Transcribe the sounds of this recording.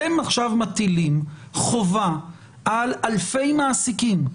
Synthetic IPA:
emaχʃavmat̪ilimχova | ʔalalfe̞jmaːsikim

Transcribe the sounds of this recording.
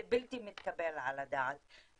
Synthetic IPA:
bilt̪imɪt̪kabelʕalad̪aːt̪

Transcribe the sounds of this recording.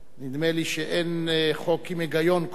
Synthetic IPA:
nid̪meliʃeʔenχokimeɡajo̞nk

